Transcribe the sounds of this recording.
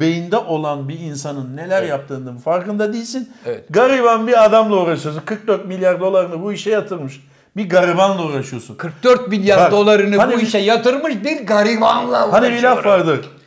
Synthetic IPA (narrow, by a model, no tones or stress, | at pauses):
be̞jind̪ɛʔo̞lˠanbiinsanɯnːe̞lʲæɾjap̚t̪ʰɯːnd̪ɯmfaɾkɯnd̪ad̪iːlʲsinɛɡaɾiβanbiɾad̪amlˠauɾaʃɯjo̞s̬unkʰɯɾk̚d̪øɾt̪̚milʲjaɾd̪o̞lˠaɾɯnɯbuiʃɛjat̪ʰɯɾmɯʃ | biɡaɾibanlˠauɾaʃɯjo̞sunkʰɯɾk̚d̪øɾt̪̚milʲjaɾad̪o̞lˠaɾɯnɯhabniuiʃɛjat̪ɯɾmɯʃbiɾɡaɾivanlˠahanivilʲavaɾd̪ɯ